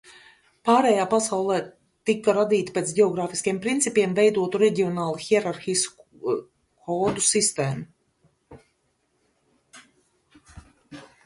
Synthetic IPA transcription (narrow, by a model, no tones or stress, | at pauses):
paːɾɛːjaːpasawlˠɛː | t̪ikːaɾad̪iːt̪i̥pet̪sɟʲɛɔɡɾaːfiskijɛmpɾint̪sipʲiɛmvɛjd̪uɔt̪uɾɛɟiɔnaːlˠuxiɛɾaɾxis | kʰɔːd̪usist̪eːmu